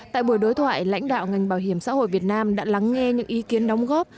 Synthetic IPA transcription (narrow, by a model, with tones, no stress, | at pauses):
tt̪a̰ː˧˨jɓu˧˩əjɗo˨˦jt̪ʰwa̰ː˧˨jla̰˧˥jŋ̟ɗa̰ː˧˨wŋa˨˩jŋ̟ɓaː˧˩whi˧˩əmsa̰ː˧˥ho̰˧˨jvi˨˩ət̚naː˧mɗa̰ː˧˥la˨˦ŋːɛ˧ɲɨ̰˧˥ŋʔi˨˦ki˨˦ənɗɔ˨˦wŋ͡mɣɔ˦˥p̚